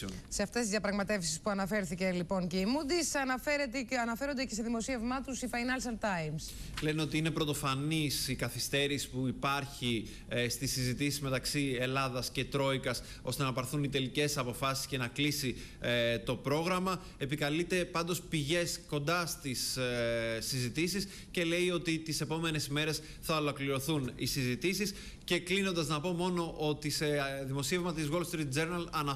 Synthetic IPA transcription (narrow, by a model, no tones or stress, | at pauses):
se̞ɐft̪est̪izðjɐpɾɐɣmɐt̪e̞fsi̥spuɐnɐfe̞ɾθice̞lipo̞ŋceimud̪isɐnɐfeɾet̪eɐnɐfe̞ɾo̞nd̪ecese̞ðimo̞sie̞vmɐt̪usifɐjnɐlsɐnt̪ɐjmsle̞no̞t̪iine̞pɾo̞t̪o̞fɐnisikɐθist̪e̞ɾisi̥puipɐɾçi | st̪isizit̪isizme̞t̪ɐksie̞lɐðɐsce̞t̪ɾo̞ikɐs | o̞st̪enɐpɐɾθunit̪e̞lice̞sɐpo̞fɐsi̥sce̞nɐklisi | t̪o̞pɾo̞ɣɾɐmɐ | e̞pikɐlit̪e̞pɐnd̪o̞spiʝe̞sko̞nd̪ɐst̪is | sizit̪isis | ce̞le̞io̞t̪it̪ise̞po̞me̞ne̞sime̞ɾe̞s | θɐolokliɾo̞θunisizit̪isis | ce̞klino̞nd̪ɐznɐpo̞mo̞no̞ʔo̞t̪iseðimo̞sie̞vmɐt̪izɣo̞lfst̪ɾit̪̚d͡ze̞ɾnɐlɐnɐ